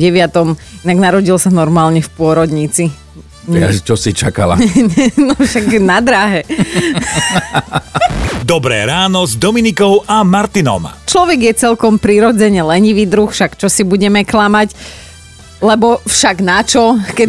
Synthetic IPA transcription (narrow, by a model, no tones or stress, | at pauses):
ɟɛʋɪat̪ɔm | inaɡnaɾɔɟilsanɔɾmaːlɲɛfpʊɔɾɔd̪ɲit͡si | at͡ʃɔsit͡ʃaka̰la̰ɲɛnɔfʃaɡnad̪ɾaɦɛ | d̪ɔbɾɛ̰ːɾaːnɔzd̪ɔminikɔʊʔamaɾt̪inɔ̰mt͡ʃlɔʋɛɡjɛt͡sɛlkɔmpɾiɾɔd͡zɛɲɛlɛɲiʋid̪ɾuxfʃakt͡ʃɔsibuɟɛmɛklamac | lɛbɔfʃaɡnat͡ʃɔkɛ